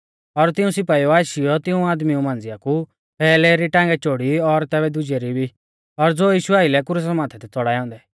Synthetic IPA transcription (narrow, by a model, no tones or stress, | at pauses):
ɔɾt̪ɪũsɪpaːiɔaːʃijɔt̪ɪũaːd̪miũmãːnd͡zɪjaku | pɛːlɛɾiʈãːŋɡɛt͡ʃoːɽiɔɾt̪ɛːbɛd̪ʊd͡ʒɛɾibʱi | ɔɾd͡zoːjiːʃʊaːɪlɛkʊɾus̬əmãːt̪ʰɛt̪ɛt͡sɔɽaːjɔ̃ːnd̪ɛ